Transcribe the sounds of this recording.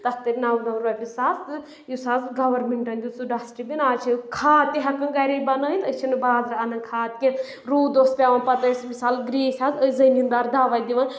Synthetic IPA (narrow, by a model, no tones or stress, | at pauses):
t̪ɐk̚t̪ɨɾʲnɐwnɐʋɾɐbʲisaːst̪ɨ | jusaːzɡɐʋɐɾmeɳʈɐnd̪ʲut͡suɖasʈibinaːt͡ʃʰikʰaːt̪iɦɐkɐnɡɐɾibɐnɐint̪ɐt͡ʃʰinɨbaːzɾɐɐnɐkʰaːt̪̚kʲi | ɾuːd̪ospʲaːʋɐnpɐt̪ɐsmisaːlɡɾiːsʲaːzəzɐnind̪aːɾd̪aːʋɐjd̪iʋɐn